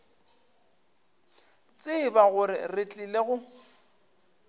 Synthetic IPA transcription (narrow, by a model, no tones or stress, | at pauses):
t͡sʼɪbaɣʊrɪrɪt͡ɬʼileɣʊ